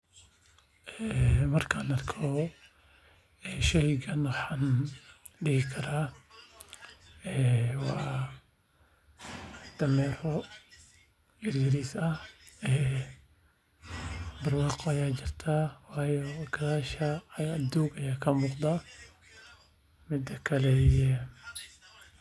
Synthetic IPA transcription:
ʔɛːmɐrkʰaːnɐrkʰɔ | ɛːʃɛjɡɐnwɑħaːn | ɖɪhɪkʰɐɾaː | ɛːwɑ̰ː | d̪̥ɐmɛːrɔ | ɪrɡɪɾisɐɛː | bɐrwɑːqɔajaːd͡ʒɪrt̪ʰaːwaːjɔɡɐðaːʃɐɐd̪uːɡɐjaːkʰɐmʊqd̪a | mɪd̪ɐkʰɐlɛɛ

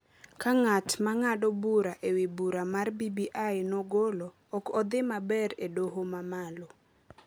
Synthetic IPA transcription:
kaŋatmaŋadobuɾaʔewebuɾamarbibiʔajnɔɡolɔːkɔd̪ɪmabɛɾedoɦomamalo

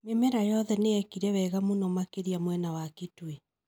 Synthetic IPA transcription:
memɛɾajɔðɛneɛkiɾɛwɛɣamonɔmakeɾiamwɛnawaketwe

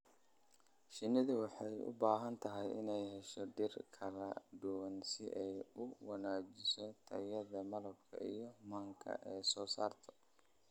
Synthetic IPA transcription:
ʃɪnɪðʊwɑħɑjʊ̰baːɦɐnt̪ʰɐɦɛjʔɪ̰nɛjɦɛʃɔd̪ɪrkʰɐlɐ̰ɖ̪ʊwɐnsɪʔɛjʊwɐnaːt͡ʃɪsɔt̪ʰɐjɐðɐmɐlɐbkʰɐ̰ijɔmaːŋkʰɐ̰ʔɛːsɔːsa̰ːrt̪ʰɔ̥

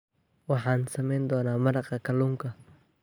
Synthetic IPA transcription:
wɑħɑːnsɐmɛjnd̪ɔːnaːmɐɾɑqɐkʰɐluːŋkʰɐ

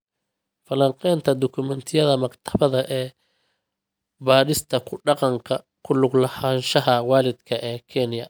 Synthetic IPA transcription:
fɐlɐŋqɛːnt̪ʰɐd̪ɔkʰʊmɛnt̪ʰɪjɐðɐmɐɡt̪ʰɐ̥βɐðɐʔɛː | baːɾɪst̪ʰɐkʰʊɖɑqɑŋkʰɐ | kʰʊlʊɡlɐhaːnʃɐɦɐwɑːlɪd̪kʰɐʔɛːkʰɛnjɐ

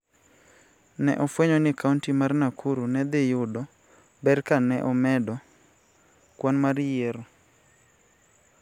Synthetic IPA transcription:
nɛ̰ʔɔfweɲɔnɪkauntimarnakʰuɾunɛd̪ɪjʊdɔ | bɛrkanɛʔɔmɛdɔ | kwanmarjeɾo

